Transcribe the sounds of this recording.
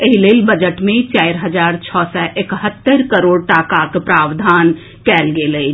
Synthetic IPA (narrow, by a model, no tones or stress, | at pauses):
eɦileːlbəd͡ʒəʈmẽt͡ʃaːɪɾɦəd͡ʒaːɾt͡ʃʰɔːsɛʔekɦət̪ːəɾkəɾoːɽʈaːkakpɾaːʋd̪ʱaːn | kɛːlɡeləi